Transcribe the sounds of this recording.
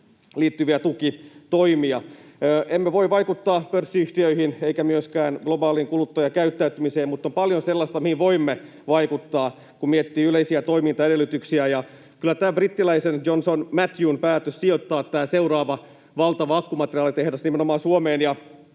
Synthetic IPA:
liːt̪ːyʋiæt̪ukit̪oimiɑøːʔemːeʋoiʋɑikut̪ːɑːpørsːiyht̪iøihineikæmyøskæːnɡ̥lobɑːliːŋkulut̪ːojɑkæyt̪ːæyt̪ymiseːmmut̪ːompɑljonselːɑst̪ɑmihiʋʋoimːe | ʋɑikut̪ːɑː | kummiet̪ːiːyleisiæt̪o̞imint̪ɑeɾelːˑyt̪yksiæjɑ | kylːˑæt̪æːbrit̪ːilæisenjonsonmæt̪juːnpæːt̪øssiot̪ːɑːt̪ːæːseurɑːʋɑ | ʋɑlt̪ɑʋɑɑkːumɑt̪eriɑːlit̪ehdæsnimenomɑːnsuomeːnjɑ

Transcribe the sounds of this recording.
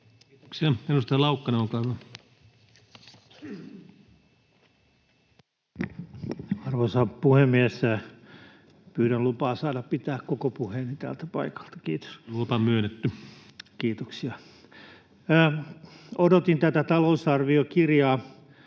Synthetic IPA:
ksiɑenust̪ɑlɑukːɑneoŋkɑːyʋɑ | ɑrʋosɑpuhemːiæsæ | pyːɾænlupɑːsɑːdɑppit̪æːkkokopuheːnit̪æ̰ːlt̪æpɑikɑ̥lt̪ɑ̥kiːt̪o̥slupɑmyønːet̪ːykiːt̪oksiɑ | odot̪int̪æt̪æt̪ɑlousɑrʋiokirjɑː

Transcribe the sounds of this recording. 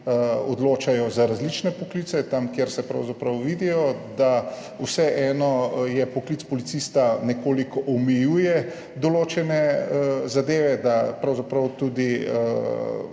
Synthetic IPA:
ɔd̪loːt͡ʃajɔzaɾazlit͡ʃnɛpɔkliːt̪sɛt̪amkjeɾsɛpɾa̰wzapɾɐwʋid̪ijɔd̪a | uwsɛʔɛːnɔjɛpɔklit̪spɔlit̪sist̪anɛkoːlikɔʔɔmɛjuːjɛ | d̪ɔloːt͡ʃɛnɛəzad̪eːʋɛd̪apɾawzapɾɐwt̪ud̪iə

